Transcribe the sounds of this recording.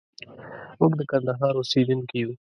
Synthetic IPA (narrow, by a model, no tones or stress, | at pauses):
ʊkd̪əkɐ̃nd̪ɐɦaːɾosiːd̪ɪnkijuː